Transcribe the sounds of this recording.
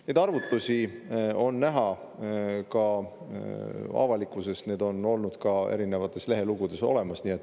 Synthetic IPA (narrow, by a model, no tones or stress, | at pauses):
ned̪ɑrvut̪ːˑusʲio̞nːæɦɑ | kɑ | ɑ̰vɑlikːˑuse̞st̪ne̞ːd̪o̞no̞lnud̪̥kɑe̞̰ɾine̞vɑt̪ːˑe̞sle̞ɦe̞luɡ̥ud̪̥e̞so̞̰le̞mɑsniːe̞t̪ːˑ